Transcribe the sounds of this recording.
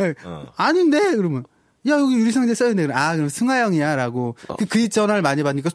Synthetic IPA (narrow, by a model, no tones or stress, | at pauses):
eaɲinde̞kɯɾʌmjɯn | jajʌɡijuɾis̬ʰaŋid͡ʑes͈ʌjndekɯakɯɾʌmsʰɯŋɦajʌŋiaɾaɡokɯkɯit͡ɕʌnaɯɭmaɲibaɲik͈a